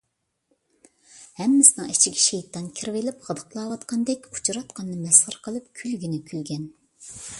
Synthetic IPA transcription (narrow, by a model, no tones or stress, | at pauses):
hɛmːɪsɪnɨŋit͡ʃʰiɡʲɛ̥ʃejt̪ːɑnkʲʰiɾvelɪpʁəd̪ə̥qlˠɑːwɑt̪qʰɑnd̪ɛkʲʰu̥t͡ʃʰɾɑt̪̚qʰɑnːɨmɛsʁəɾqʰəlˠɨp̚kʲʰylɡʲinɪkʲʰylɡʲɛn